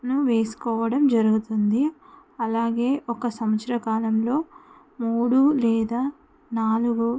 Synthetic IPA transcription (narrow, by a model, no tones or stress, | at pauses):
nuʋe̞ːsu̥kɔːʋɐɽɐmd͡ʒɐɾuɡut̪und̪i | ɐlaːɡe̞ːʔɔkɐsɐmɐsɾɐkaːlɐmlo̞ː | muːɽulɛːd̪aː | naːluɡu